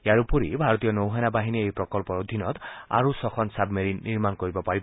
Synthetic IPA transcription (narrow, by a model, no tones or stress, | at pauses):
jaɾupuɾibʱaɹɔt̪iɔnowɦajnabaɦiniejpɾɔkɔlpɔod̪ʱinɔt̪a̰ɹusɔxʰɔnsabmeɾinːiɾmankoɹibɔpaɹib